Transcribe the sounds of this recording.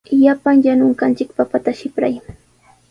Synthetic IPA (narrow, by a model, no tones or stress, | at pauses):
japaŋjanʊŋkant͡ʃɪkpapat̪aʃɪpɾa̰j